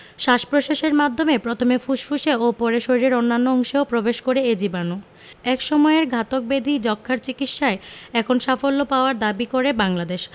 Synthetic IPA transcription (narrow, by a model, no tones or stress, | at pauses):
ʃaʃpɾoʃeʃeɾmad̪ʱːomepɾot̪ʰomefuʃfʰuʃeopɔɾeʃoɾiɾeɾonːanːooŋʃeopɾobeʃkoɾeed͡ʑibanu | ɛkʃɔmɔeɾɡʱat̪ok̚bed̪ʱid͡ʑɔkʰːaɾt͡ɕikit̪ʃaeɛkʰonʃafolːopaoaɾd̪abikoɾebaŋlad̪eʃ